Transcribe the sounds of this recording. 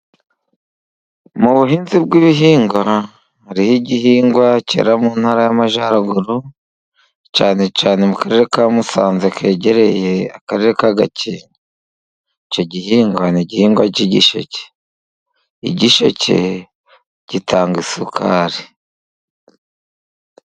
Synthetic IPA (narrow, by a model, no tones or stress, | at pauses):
muβuɦiːnzibɡiβiɦiːŋɡwa | ɾihiɟihiːŋɡwacḛɾamunhaːɾajamaʒaːɾaɡuɾu | caːne̞caːne̞mukaɾe̞ɾekamusaːnzekʰe̞ːɟe̞ɾe̞je̞akaɾe̞ɾekaɡa̰ciːno | ico̞ɟihiːŋɡwaniɟihiːŋɡwaciɟḭʃo̰ce̥ | ḭɟiʃo̰ce̞̰ | ɟ̥itʰaːŋɡisukʰaːɾi